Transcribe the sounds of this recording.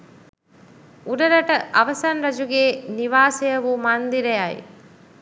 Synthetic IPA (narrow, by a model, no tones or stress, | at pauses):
uɾɐɾɐʈɐʔɐʋɐsɐnɾɐd͡ʒuɡeːniʋaːsejɐʋumand̪iɾejajḭ